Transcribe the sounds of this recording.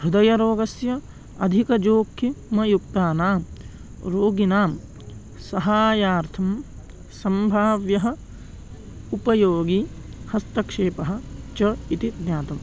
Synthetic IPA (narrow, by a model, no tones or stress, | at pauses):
bɾud̪ɐjɐɾoːɡɐsjɐ | ɐd̪ʱikɐd͡ʒoːkʰːimɐjuk̚t̪aːnaːm | ɾoːɡinaːm | sɐɦaːjaːɾt̪ʰɐm | sɐmbʱaːʋjɐɦɐ̆ | upɐjoːɡi | hɐst̪ɐkʂeːpɐɦɐ̆t͡ʃɐit̪it̪njaːt̪ɐm